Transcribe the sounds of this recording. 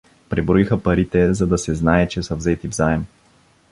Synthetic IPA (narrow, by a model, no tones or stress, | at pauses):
pɾɛbɾoixəpɐɾit̪ɛzɐd̪ɐsɛznaɛt͡ʃɛsəvzɛt̪ivzaɛm